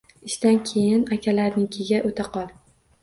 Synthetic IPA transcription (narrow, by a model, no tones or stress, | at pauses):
ɪʃt̪ankʲʰejɪnakʲʰalaɾnɪŋkʲʰeɡʲaʔot̪ʰaqʰɒlˠ